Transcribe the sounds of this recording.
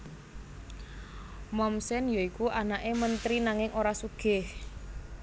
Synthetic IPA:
mɔmsɛnjoikuʔanaʔemənt̪ɾinaŋɪŋʔoɾasuɡ̥ɪh

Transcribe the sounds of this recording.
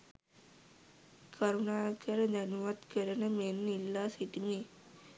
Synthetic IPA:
kʰɐɾunaːkɐɾɐɲɐnuʋɐt̪kɐɾɐnɐmenːilːaːsiʈimeː

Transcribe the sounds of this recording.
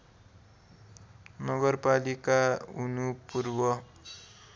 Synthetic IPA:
nʌɡʌrpalikaunupurbʌ

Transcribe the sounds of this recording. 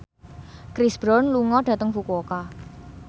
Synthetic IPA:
kɾisb̥ɾɔnluŋɔɖ̥ä̤t̪əŋfukoka

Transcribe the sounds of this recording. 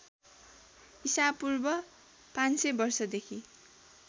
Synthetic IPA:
isapurbʌ | pansʌbʌrsʌd̪ekʰi

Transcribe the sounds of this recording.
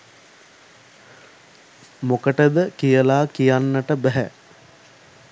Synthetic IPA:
mokəʈəd̪əkijəlaːkijanːəʈəbæɦæ

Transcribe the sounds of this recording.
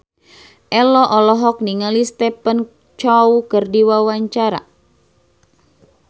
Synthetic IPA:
ʔɛlɔʔɔlɔɦɔk̚niŋalist̪ɛpən | t͡ʃɔukərdiwawaɲt͡ʃaɾa̰

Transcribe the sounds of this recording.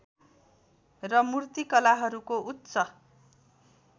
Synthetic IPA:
rʌmurt̪ikʌlaɦʌɾukoʔut̪ːsʌ

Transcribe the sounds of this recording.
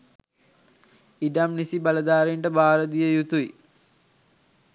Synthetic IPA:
iɖamnisibaləd̪aːɾiɳʈəbaːɾəd̪ijəjut̪ui

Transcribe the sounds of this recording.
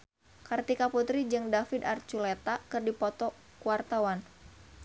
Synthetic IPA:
kart̪ikaput̪ɾid͡ʒɨŋdafid̪art͡ʃulet̪akɨrdipɔt̪ɔ | kuwart̪awan

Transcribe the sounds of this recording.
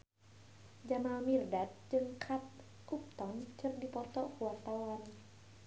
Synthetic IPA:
d͡ʒamalmirdat̪̚d͡ʒɨŋkʰat̪̚ | up̚t̪ɔnt͡ʃɨrdipɔt̪ɔʔkuwart̪awan

